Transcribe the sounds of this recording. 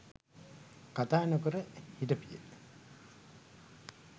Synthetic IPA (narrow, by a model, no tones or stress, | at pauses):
kat̪aːnəkəɾəhiʈəpijḛ